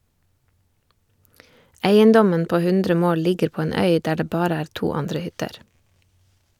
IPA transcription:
ˈæɪənˌdɔmən ˈpoː ˈhʉndɾə ˈmoːl ˈlɪɡəɾ ˈpoː ˈeːn ˈœʏ ˈdæː ˈɖeː ˈbɑːɾə ˈæːɾ ˈtuː ˈɑndɾə ˈhʏtəɾ

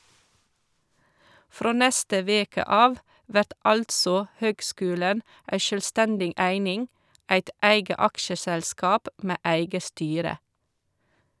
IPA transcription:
ˈfɾoː ˈnɛstə ˈʋeːkə ˈɑːʋ ˈʋæʈ ˈɑltsɔ ˈhøːɡˌskʉːlən ˈʔæɪ ʃœlˈstændɪ ˈæɪnɪŋ ˈʔæɪt ˈæɪɡə ˈɑkʃəsɛlˌskɑːp ˈmeː ˈæɪɡə ˈstyːɾə

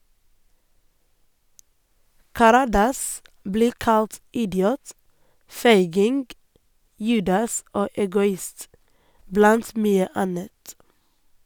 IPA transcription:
kɑˈɾɑːdɑs ˈbliː ˈkɑlt ˈɪdɪuːt ˈfeɪɡɪŋɡ ˈjʉːdɑs ˈoː ɛɡʊˈɪst ˈblɑnt ˈmyːə ˈɑnət

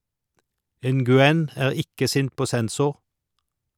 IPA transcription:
ˌɛnɡʉˈɛn ə ˈæːɾ ˈɪkə ˈsɪnt ˈpoː ˈsɛnˌsʊɾ

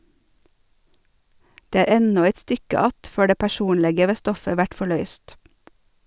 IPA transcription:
ˈdeː ˈæːɾ ˈɛnɔ ˈæɪt ˈstʏkə ˈɑt ˈføː ˈɖeː pæˈʃuːnlɛɡə ˈʋeː ˈstɔfə ˈʋæʈ fɔˈɭœʏst

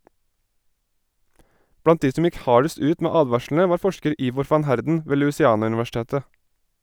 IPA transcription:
ˈbɽɑnt ˈdiː ˈsɔm ˈjɪk ˈhɑːɖəst ˈʉːt ˈmeː ˈɑːdʋɑʃln̩ə ˈʋɑːɾ ˈfɔʃkəɾ ˈiːʋɔɾ ˈfɑn ˈhæɾdn̩ ˈʋeː lʉːsɪˈɑːnʉnʋæˌʃteːtə

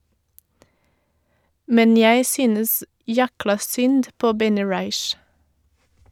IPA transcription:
ˈmɛn ˈjæɪ ˈsyːnəs ˈjæklɑ ˈsʏnd ˈpoː ˈbɛnɪ ˈɹɑɪʃ

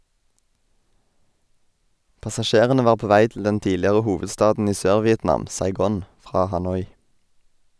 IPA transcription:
pɑsɑˈʃeːʁənə ˈʋɑːʁ ˈpoː ˈʋæɪ tl̩ ˈdɛn ˈtiːlɪʁə ˈhuːʋədˌstɑːdn̩ ˈiː ˈsøːɾʋɪɛtˌnɑːm sɑɪˈɡoːn ˈfʁɑː hɑˈnɔʏ

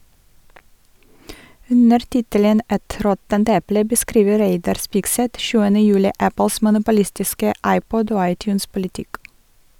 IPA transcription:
ˈʉnəɾ ˈtɪtələn ˈʔɛt ˈɾɔtənt ˈɛplə bəˈskɾiːʋə ˈɾeɪdɑɾ ˈspɪɡˌsɛt ˈʃʉːənə ˈjʉːlɪ ˈʔæpəls mʊnʊpʊˈlɪstɪskə ˈʔɑɪˌpɔd ˈoː ˈɑɪˌtjʉːnspʊlɪˌtɪk

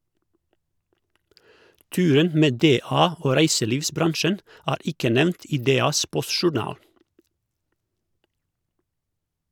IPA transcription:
ˈtʉːɾən ˈmeː ˈdeːˌɑː ˈoː ˈɾæɪsəˌliːʋsˌbɾɑnʃən ˈæːɾ ˈɪkə ˈnɛmnt ˈiː ˈdeːˌɑːs ˈpɔsʃʊˌɳɑːl

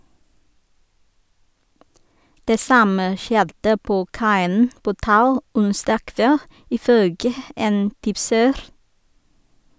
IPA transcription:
ˈdeː ˈsɑmə ˈʃjɛdə ˈpoː ˈkɑɪən ˈpoː ˈtɑʉ ˈʊnsdɑː ˈkʋɛl ɪˈføːɡə ˈeːn ˈtɪpsəɾ

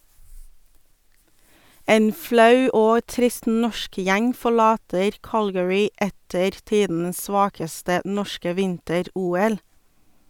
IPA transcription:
ˈeːn ˈflɑʉ ˈoː ˈtɾɪst ˈnɔʃk ˈjæŋ fɔˈɭɑːtəɾ ˈkɑlɡəɹɪ ˈɛtəɾ ˈtiːdn̩əs ˈsʋɑːkəstə ˈnɔʃkə ˈʋɪntəˌɾuːˌɛl

